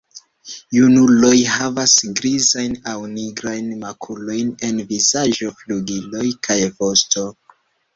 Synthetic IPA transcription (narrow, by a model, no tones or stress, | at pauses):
junulo̞jhavasɡɾizajnawniɡɾajnmakʰulo̞jne̞nvizaʒo̞fluɡilo̞jkʰajvo̞sto̞